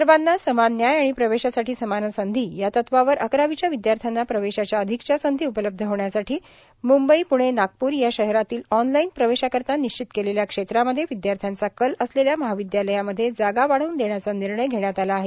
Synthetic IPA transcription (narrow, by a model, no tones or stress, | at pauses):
ɾbanːasəmanjajaɽ̃ipɾəʋeɕasaʈʰiːsəmanəsənd̪ʱiːjat̪ət̪ʰʋaʋəɾʔəkɾaʋit͡ɕjaʋid̪jaɾt̪ʰjanːapɾəʋeɕat͡ɕjaəd̪ʱikt͡ɕasənd̪ʱiːupələb̚d̪ʱəɦoɳjasaʈiː | mumbəipuɽ̃enak̚puːɾjaɕəɦɾat̪iːlɔnlainpɾəʋeɕakəɾt̪aniɕt͡ɕit̪keleljakʂet̪ɾaməd̪ʱːjeʋid̪jaɾt̪ʰjant͡sakələsleljaməɦaʋid̪jaləjaməd̪ʱːjed͡zaɡaʋaɽ̤uːnd̪eɳjat͡saniɾɳəjɡʱeɽjat̪alaːɦe